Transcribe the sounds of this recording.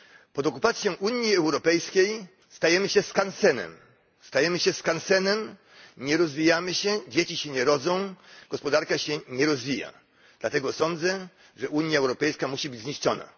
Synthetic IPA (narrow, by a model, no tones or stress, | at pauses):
pɔd̪ɔkupat̪sʲjɔ̃w̃ʔuɲjiɛwɾɔpɛjskʲej | st̪ajɛmɘɕɛskansɛnɛ̰m | st̪ajɛmɘɕɛskansɛnɛm | ɲɛɾɔzvʲijamɘɕɛd͡ʑet͡ɕiɕɛɲɛɾɔd̪zɔ̃w̃ɡ̥ɔspɔd̪aɾkaɕɛɲɛɾɔzvʲija̰ | d̪lat̪ɛɡɔsɔnd̪zɛ | ʐɛʔuɲjaɛwɾɔpɛjskamuɕibɘd͡ʑzɲiʂt͡ʂɔna̰